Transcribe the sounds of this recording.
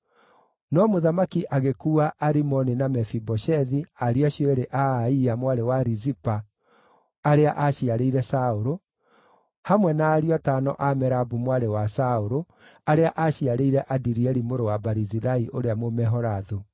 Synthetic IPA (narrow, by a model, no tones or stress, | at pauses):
nɔmoðamakiʔaɣekuːaʔːɾimɔninamɛfibɔʃɛðiaɾiaɕweɾeʔaiamwaɾewaɾizipaː | ɾeaʔaɕiaɾeiɾɛsaoɾo | hamwɛnaːɾiɔatanɔ̰ʔamɛɾabumwaɾewasaoɾo | aɾeaʔaɕiaɾeiɾɛʔadiɾiɛɾimoɾowabaɾizilaiʔoɾeamomɛɦɔɾaðo